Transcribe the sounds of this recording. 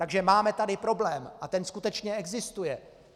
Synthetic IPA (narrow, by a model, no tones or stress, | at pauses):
t̪aɡʒɛmaːmɛt̪adɪpɾo̞blɛːmʔat̪ɛnskut̪ɛt͡ʃɲɛɛɡzɪst̪ujɛ